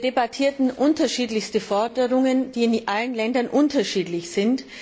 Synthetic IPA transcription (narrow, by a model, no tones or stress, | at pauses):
debatʰiːɐtn̩ʔʊntɐʃiːtlɪçstəfɔɐdəʁʊŋənd̥iːɪnʔalənlɛndɐnʔʊntɐʃiːtlɪçz̥ɪnt